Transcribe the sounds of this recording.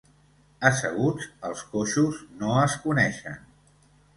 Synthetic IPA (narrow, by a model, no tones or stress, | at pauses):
əsəɣud͡zəlˠskoʃuznoəskunɛʃə̰n